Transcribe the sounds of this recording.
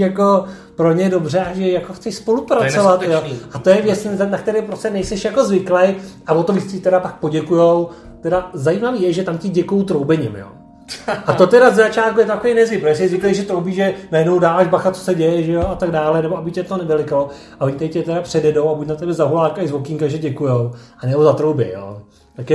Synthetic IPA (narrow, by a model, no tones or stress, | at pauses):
jako | pɾo̞ɲɛdo̞br̝ɛʔaʒɛjakoxt͡sɛʃspo̞lupɾat͡sovat̪joʔat̪o̞jɛvjɛt͡snak̚t̪ɛɾɛːpɾoscɛnɛjsɛʃjako̞zvɪklejavot̪ovit͡scɪt̪ɛɾapak̚po̞ɟɛkujow | t̪ɛdazajiːmaviːjɛʒɛt̪amcɪɟɛkujowt̪ɾowbɛɲɪ̰mjo̰ː | at̪ot̪ɛɾazɛzat͡ʃaːt̪kujɛt̪ot̪akovɛjnɛzvɪpɾoɛsɛɛzvɪklejʒɛt̪ɾowbiːʒɛnajɛdnowdaːvaːʒbaxat̪t͡sosɛɟɛjɛʒɛjoat̪aɡdaːlɛnɛboabɪcɛt̪onɛvɛlɪkalo | avoɲɪt̪aɪcɛt̪ɛɾapr̥ɛdɛdo̞wabucnat̪ɛbɛzaɦulaːkaɪzvokɪŋkaʒɛɟɛkujowʔanɛbozat̪ɾowbɛ̰jo̰ː | t̪akjɛ